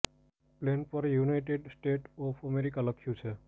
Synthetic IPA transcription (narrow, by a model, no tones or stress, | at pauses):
plenfʰɔɾjunaɪʈeɖsʈeʈɔpʰəmeɾikaləkʰːjut͡ʃʰe